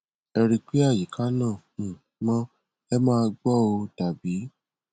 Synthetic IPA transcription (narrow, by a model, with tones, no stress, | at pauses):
ɛ˧ɾi˧k͡pi˨˦a˦˨ji˨kʰa˨˦nãː˦˨ | mɔ̃˦ | ɛ˦mãː˦˧ɡ͡bɔ˦o˧ta˨bi˨˦